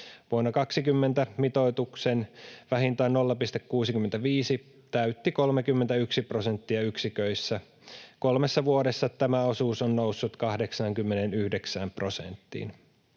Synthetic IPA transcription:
ʋuonːɑkɑksikymːent̪æmit̪oit̪uksenʋæhint̪æːnolːɑpist̪ekkuːsikymːent̪æʋiːsi | t̪æyt̪ːikolmekymːent̪æyksiprosent̪ːiɑyksikøisːæ | kolmesːɑʋuoɾesːɑt̪æmæo̞suːsonːnousːut̪kɑhde̞ksɑːŋkymːenenyhdeksæːmpro̞sḛnt̪ːḭːn

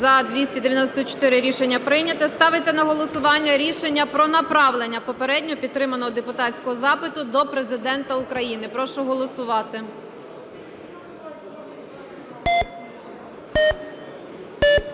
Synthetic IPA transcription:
zɐd̪ʋʲisʲtʲid̪eʋʲjɐnɔsʲt̪ɔt͡ʃɔ̥t̪ɪɾɪɾʲiʃenʲːɐpɾɪnʲɐt̪ɛst̪ɑʋɪt͡sʲːɐnɐɦɔlˠɔsʊʋɑnʲːɐɾʲiʃenʲːɐpɾɔnɐpɾɑʋlˠenʲːɐpɔpeɾɛdʲnʲɔɔpʲid̪̚t̪ːɾɪmɐnɔɦɔd̪epʊt̪ɑtt͡sʲsʲkɔɦɔzɑpɪt̪ʊd̪ɔpɾe̞zɪd̪ɛnt̪ɐʊkɾɐjinɪpɾɔʃʊɦɔlˠɔsʊʋɑt̪ɪ

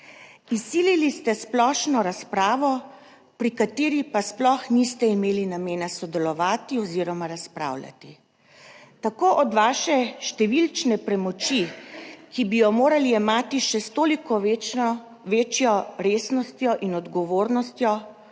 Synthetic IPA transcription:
isːiːlilist̪ɛsplɔʃnɔɾaspɾaːʋɔ | pɾikat̪eːɾipasplɔxnist̪ɛimeːlinameːnasɔd̪ɛlɔʋaːt̪iɔziːɾɔmaɾaspɾa̰ːwlja̰t̪i | t̪akoːʔɔd̪ʋaːʃɛʃt̪ɛʋilt͡ʃnɛpɾɛmɔt͡ʃikibijɔmoːɾaliɛmaːt̪iʃɛst̪oːlikɔ | ʋeːt͡ʃjɔɾeːsnɔst̪jɔʔinɔd̪ɡɔʋoːɾnɔst̪jɔ

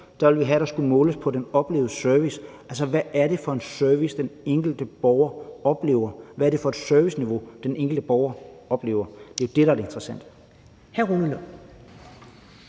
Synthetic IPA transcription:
d̥ɑ̈ʋe̝lʋiɦæɾ̥ɑ̈sɡ̥ulmɔ̽ːləspʰɒ̽denɒ̽b̥le̝̰ːʊð̩ˠsœɐʋisʔælsɒ̽ʋæːɐɾe̝fɒ̽e̝nsøɐʋisd̥eneŋ̰ɡ̥l̩d̥əb̥ɒʊɐɒ̽b̥le̝̰ːʊɐʋæɐɾ̥e̝fɒ̽ed̥søɐʋisniʋo̝d̥eneŋ̰ɡ̥l̩d̥əb̥ɒʊɐɒ̽b̥le̝̰ːʊɐd̥e̝od̥e̝ɾɑ̈æɾee̝nd̥ʁɐsæn̰d̥ | hæʁunəlo

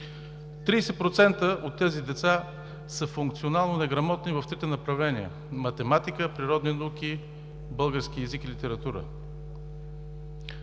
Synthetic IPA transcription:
t̪ɾiːsɛt̪̚pɾot̪sɛnt̪əʔot̪ːɛzid̪ɛt̪sa | səfuŋkt̪sionalˠnonɛɡɾɐmɔt̪nivɐft̪ɾit̪ɛnɐpɾɐvlɛniə̰ | mɐt̪ɛmat̪ikəpɾiɾɔd̪ninɐukʲi | bɤlˠɡəɾsk̟iɛzikilit̪ɛɾɐt̪uɾə̰

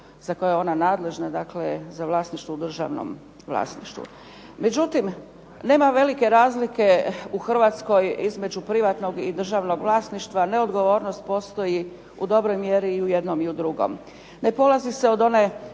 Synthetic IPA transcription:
zako̞jeo̞nanaːd̪le̞ʒnad̪aklezaʋlˠaːsniʃt̪ʋoud̪r̩ʒa̰ʋno̰m | ʋlˠa̰ːsnḭʃt̪ṵ | me̞d͡ʑut̪im | ne̞ːmaʋe̞like̞ɾaːzlike̞uxr̩ʋat̪sko̞jizme̞d͡ʑupɾiʋat̪no̞ɡid̪r̩ʒaʋno̞ɡʋlˠaːsniʃt̪ʋane̞od̪ɡo̞ʋo̞ːɾnost̪̚po̞ːst̪o̞ji | ud̪o̞bɾo̞jmjeɾiːujed̪no̞miud̪ɾuɡo̰m | ne̞po̞lˠazise̞o̞d̪o̞ne̞

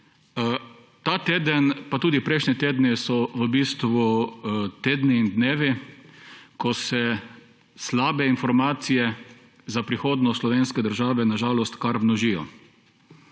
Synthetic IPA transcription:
t̪aːt̪eːd̪ənpat̪uːd̪ipɾɛjʃnʲɛt̪eːd̪nɛsɔʋəbiːst̪ʋut̪eːd̪niːnd̪neːʋi | kɔsɛ | slaːbɛinfɔɾmaːt̪sijɛ | zapɾixoːd̪nɔslɔʋeːnskɛd̪əɾʒaːʋɛnaʒaːlɔst̪kaɾmnɔʒiːjɔ̰

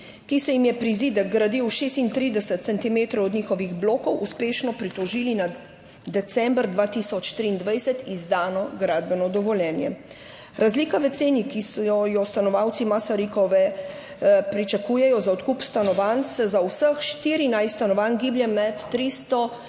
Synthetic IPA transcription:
kisɛjimjɛpɾiziːd̪ɛɡ̚ɡɾad̪iwʃeːst̪int̪ɾiːd̪ɛsɛt̪̚sɛnt̪imeːt̪ɾɔwɔd̪ɲiːxɔʋiɣbloːkɔwʔuspeːʃnɔpɾit̪ɔʒiːlina | d̪ɛt̪sɛmbɾd̪ʋaːt̪isɔt͡ʃt̪ɾiːnd̪ʋɛjsɛt̪izd̪aːnɔɡɾaːd̪bɛnɔd̪ɔʋɔljɛːnjɛ̰ | ɾazliːkaʋɛt̪seːnikisɔjɔst̪anɔʋawt̪simasaɾikɔʋɛ | pɾit͡ʃakuːjɛjɔzaɔt̪kuːpst̪anɔʋansɛzawsəxʃt̪iɾinajst̪anɔʋaːnɡiːbljɛmɛt̪ːɾist̪ɔ

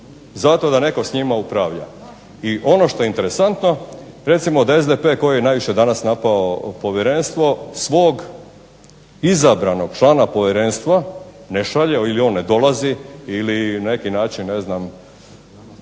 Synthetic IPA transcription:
zat̪o̞d̪ane̞ko̞sɲimaupɾaʋʎa | iʔo̞no̞ʃt̪o̞jeint̪e̞ɾesant̪no̞ɾe̞t̪simo̞d̪ae̞zd̪epe̞ːko̞jijenaːjʋiʃjed̪anasnapaopo̞ʋjeɾe̞nst̪ʋo̞sʋo̞ːɡ | izabɾano̞ɡ̥t͡ʃlˠaːnapo̞ʋjeɾe̞nst̪ʋa | neʃaʎeilio̞ːnːed̪o̞lˠaziilinane̞kinaːt͡ʃinːeznam

